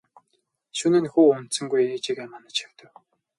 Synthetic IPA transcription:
ʃunɘ̆nxuːɵm̥t̪sɵ̆ŋɡujeːkt͡ɕikemanə̆t͡ɕʰaw̥t̪ə̆w

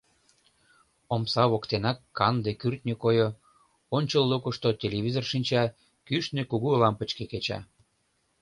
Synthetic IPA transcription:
omsɑβokt̪enɑkːɑnd̪ekyrt̪nʲekojo | onʲt͡ɕəlːukəʃt̪ot̪ʲelʲeβʲizorʃinʲt͡ɕɑ | kyʃnekuɣuəlɑmpət͡ɕkeket͡ɕɑ̰

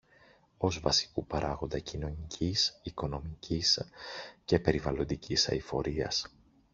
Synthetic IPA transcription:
o̞zvɐsi̥kupɐɾʔɐɣo̞nd̪ɐcino̞nicʰisiko̞no̞micisce̞pe̞ɾivɐlo̞nd̪icisɐ̰ifo̞ɾiɐ̰s

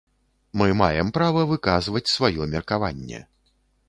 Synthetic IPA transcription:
mɨma̰jɛmpɾavɐvɨkazvɐt͡sʲsvajɔmʲɛrkava̰nʲːɛ̰

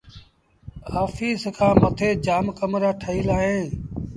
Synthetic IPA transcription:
haːfiːskʰãːmət̪ʰeːd͡ʒaːmkəmɾaːʈʰəiːlaːɦẽː

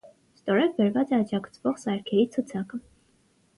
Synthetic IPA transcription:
st̪ɔɾɛvbɛɾvɑt͡sɛɑd͡ʒɑkt͡sʰvɔʁsɑɾkʰɛɾit͡sʰut͡sʰɑkə

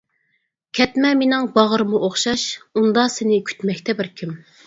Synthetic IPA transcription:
kʲʰɛt̪mɛmenɪŋbɑʁəɾɨmuʔoχʃɑʃund̪ɑsɪnɪkʲʰy̥t̪mɛkʲt̪ʰɛbɪɾkʲʰim

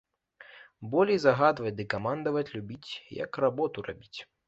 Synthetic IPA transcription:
bɔlʲijzɐɣad̪vɐt͡sʲd̪ɨkamand̪ɐvɐt͡sʲlʲubʲit͡sʲjɐ̰krabɔt̪ura̰bʲit͡sʲ

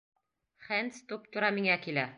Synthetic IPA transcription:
χænst̪up̚t̪ŏɾɑmiŋækilæ

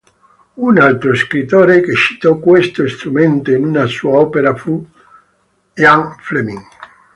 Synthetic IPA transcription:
unalt̪ɾoeskɾit̪oɾekeʃi̥t̪okwest̪oist̪ɾumẽnt̪oenunasuaɔpeɾafu | aŋflemĩŋ

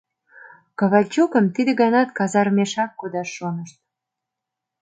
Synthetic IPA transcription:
kɑβɑlʲt͡ɕukə̆mt̪id̪ə̆ɣɑnɑt̪kɑzɑɾmeʃɑkːud̪ɑʃːonəʃt̪̚

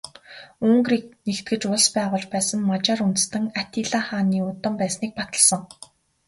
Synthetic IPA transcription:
ɵŋɡriːk̚next̪̚ɡɘ̆t͡ɕʊɮspæːʁʊːt͡ɕpæːsə̆ŋmat͡ɕaːɾunt̪̆st̪ə̆ŋat̪iːɮaːχaːniːʊt̪ə̆mpæːsniːk̚pat̪ə̆ɮsə̆ŋ

